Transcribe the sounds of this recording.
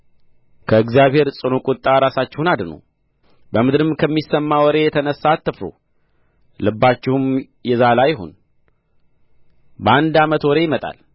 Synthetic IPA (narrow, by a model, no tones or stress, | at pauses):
kʰəɨɡzjaβhe̞ɾsʼɨnokʼʊt̪ʼːaɾasat͡ʃːɪhunad̪no̰ | bəmɨd̪ɨɾɨmkʰəmːisːəmːawɔɾe̞jɛt̪ʰənəsːat̪ʰːɨfo̰ | lɨbːat͡ʃːɪhum | jɛzalajɪɦo̰n | bəand̪amət̪wɔɾe̞jɪmət̪ʼa̰l